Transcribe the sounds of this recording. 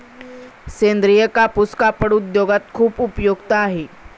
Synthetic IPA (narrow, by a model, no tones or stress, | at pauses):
send̪ɾijəkapuskapəɽud̪joɡat̪̚kʰuːpupjoɡt̪aːɦe